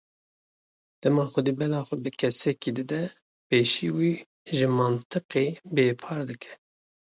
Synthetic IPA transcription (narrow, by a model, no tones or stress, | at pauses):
d̪̥ɛmɑːxʷʊd̪iːbɛlɑːxʷɛbɨkʰɛsɛkiːd̪ɨd̪ɛ | peːʃiːwiː | ʒɨmɑnt̪ʰɨqeːbeːpʰɑːɾd̪ɨkʰɛ̥